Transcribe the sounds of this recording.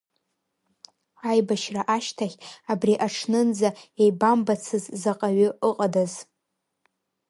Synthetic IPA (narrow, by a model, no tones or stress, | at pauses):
ajbaʃraʔaʃtʰaχʲabriʔaʈ͡ʂʰnɨnd͡zaejbambat͡sʰɨzzaqʼaɥʏʔɨqʼadaz